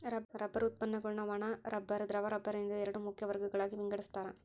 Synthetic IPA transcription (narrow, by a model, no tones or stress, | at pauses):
ɾɐɾɐbːɐɾʊt̪̚pɐnːɐkɔɭnɐʋaːnaːɾʔɐbːɐɾɯd̪ɪɾɐʋaɾɐbːɐɾɪnd̪ɯɛɾɐɽɯmːʊkːɪjɐʋɐɾɣɯɣɐɭaːɣiʋɪŋɡɐɽɯst̪ːaːɾã̰ː